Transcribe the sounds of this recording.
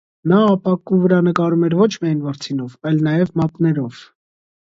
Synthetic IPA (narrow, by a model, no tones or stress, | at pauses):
nɑːpɑkuvəɾɑnəkɑɾumɛɾvɔt͡ʃʰmiɑjnvɑɾt͡sʰinɔvɑjlnɑjɛvmɑt̪nɛɾɔv̥